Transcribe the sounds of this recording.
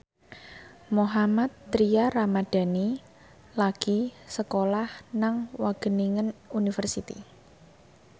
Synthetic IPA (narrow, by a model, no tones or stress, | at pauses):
moɦamat̪ːɾiaramad̥a̤ni | laɡ̥i̤səkolahnaŋwaɡ̥ə̤niŋənunifərsit̪ḭ